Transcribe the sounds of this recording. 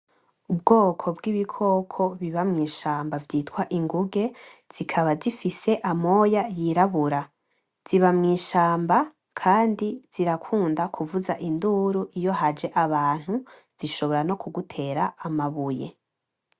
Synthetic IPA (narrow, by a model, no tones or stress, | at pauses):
ub̚ɡo̞ːkʰo̞bɡiβikʰo̞ːkʰoβiβamŋiːʃaːmbavjiːtwaʔiŋɡuɡe̞z̥ikʰaβazifise̞ʔamo̞jajiɾaβuɾa | z̥iβamŋiːʃaːmba | kʰaːndiz̥iɾakʰuːndakʰuvuzaʔinduɾuʔijo̞ɦad͡ʒe̞ʔaβaːn̥hu | z̥iʃo̞βo̞ɾano̞kʰuɡutʰe̞ːɾaːmaβuje̞̰